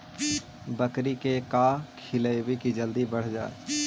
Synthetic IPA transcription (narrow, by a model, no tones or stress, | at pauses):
bəkɾikekaːkʰɪləwikid͡ʒəld̪ibɐɽ̤d͡ʒa̰ːḛ